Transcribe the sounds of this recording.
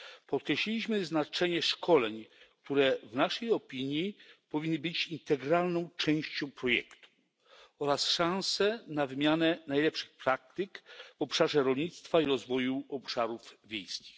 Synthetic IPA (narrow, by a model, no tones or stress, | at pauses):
pɔt̪̚kɾɛɕlʲilʲiɕmɘznat͡ʂɛɲɛʂkʰɔlɛɲkt̪uɾɛvnaʂɛjɔpʲiɲjipɔvʲinːɘbɘt͡ɕint̪ɛɡɾalnɔ̃w̃t͡ʂɛ̃w̃ɕt͡ɕɔ̃w̃pɾɔjɛ̰kt̪u̥ | ɔɾasʂãñsɛnavɘmʲjanɛnajlɛpʂɘ̥xpɾak̚t̪ɘkvɔpʂaʐɛɾɔlɲit̪st̪faiɾɔzvɔjuɔpʂaɾuvvʲjḛjskʲi̥x